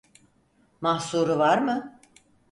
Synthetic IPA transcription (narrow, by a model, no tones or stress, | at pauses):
mahsuːɾuvaɾmɯ